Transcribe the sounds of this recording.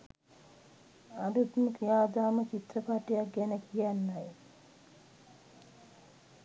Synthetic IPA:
adut̪məkijaːd̪aːmət͡ʃit̪rəpaʈijak̚ɡænəkʰijanːaj

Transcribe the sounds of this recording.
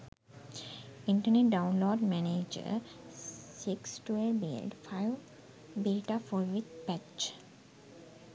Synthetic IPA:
ɪ̃ɳʈəneʈ̚ɖãʊ̃nloːɖmæned͡ʒə̰ | sɪksʈuelbḭlɖfaɪʋ | biːʈaːfoːɾʋɪd̪̚pæt͡ʃ

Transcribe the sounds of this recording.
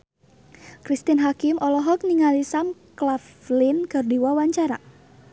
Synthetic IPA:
kɾist̪inɦakɪmɔlɔɦɔk̚niŋalisamklaflɪnkərdiwawaɲt͡ʃaɾa

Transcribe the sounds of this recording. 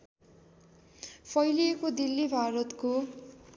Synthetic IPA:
pʰʌjliekod̪ilːibʱaɾʌt̪ko

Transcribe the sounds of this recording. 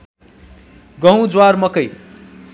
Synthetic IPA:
ɡʌɦw̃d͡zwarmʌkʌj

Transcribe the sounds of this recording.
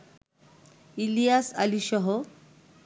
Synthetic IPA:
ilijasa̰liɕɔɦo

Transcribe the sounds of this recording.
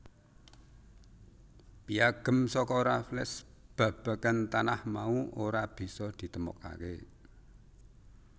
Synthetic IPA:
piaɡ̥ə̤msɔkɔoɾaflɛsb̥ä̤b̥a̤kant̪anahmauoɾab̥i̤sɔd̪̥i̤t̪əmɔ̰ka̰ke

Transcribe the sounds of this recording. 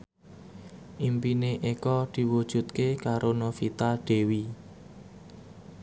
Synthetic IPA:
ʔimpineʔekɔd̪̥i̤wud̥ʒ̥ṳt̪̚kekaɾonofit̪aɖ̪̥e̤wi

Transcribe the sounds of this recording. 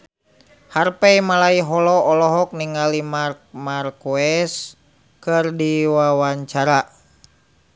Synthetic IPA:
harpɛimalaiɦɔlɔɔlɔɦɔk̚niŋalimark̚markuɛs | kɨrdiwawaɲt͡ʃaɾa

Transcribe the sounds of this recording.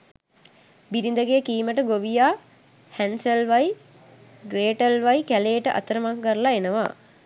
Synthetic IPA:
biɾind̪əɡeːkiːməʈəɡoʋijaː | hænsəlʋaj | ɡɾeːʈəlʋajkæleːʈəʔa̰t̪əɾəmaŋɡəɾlaenəʋa̰

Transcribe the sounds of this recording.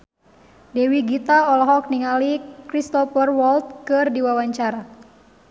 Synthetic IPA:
dewiɡit̪aɔlɔɦɔk̚niŋalikɾist̪ɔfərwɔlt̪̚kɨrdiwawaɲt͡ʃaɾa

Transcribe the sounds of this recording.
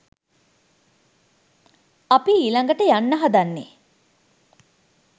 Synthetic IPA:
apiːlaŋɡəʈəjanːəɦad̪anːḛ

